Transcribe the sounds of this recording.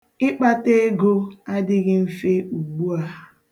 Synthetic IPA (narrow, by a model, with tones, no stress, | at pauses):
ɪ˦k͡pa˦te˦ɡo˦a˦dɪ˦ɣɪ˦m̩˦fe˦u˨ɡ͡bu˦a˦